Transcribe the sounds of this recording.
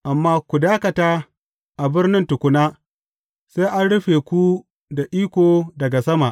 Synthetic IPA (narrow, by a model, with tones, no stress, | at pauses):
ʔa˨mːaː˦kʷu˨daː˦kɐ˨taː˦ | ʔa˨bɪ˦rnɪ˦ntʊ˨kʷʊ˦naː˦ | se˦ʔa˦nɽʊ˦ɸeː˨kʷu˦ | da˨ʔiː˦kʷoː˨dɐ˨ɡa˨sɐ˦ma˨ʔ